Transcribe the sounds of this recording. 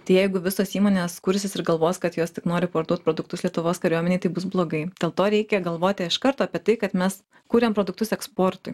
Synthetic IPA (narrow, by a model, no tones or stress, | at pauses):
t̪ɐɪjɛɪɡʊʋʲɪsoːsiːmoːnʲeːskʊɾʲsʲɪsɪɾɡɐlˠʋoːskɐt̪joːst̪ʲɪknoːɾʲɪpoɾd̪uɔt̪̚pɾoːd̪ʊkt̪ʊslʲiɛt̪ʊʋoːskɐɾʲuɔmʲɛnʲɛɪt̪ɐɪbʊs̬blˠoːɡɐɪd̪ʲeːlˠt̪oːɾʲɛɪkʲɛɡɐlˠʋoːt̪ʲɪɪʃkɐɾt̪oːɑːpʲiɛt̪ɐɪkɐt̪mʲɛs | kuːɾʲempɾoːd̪ʊk̚t̪ʊsɛkspoːɾt̪ʊɪ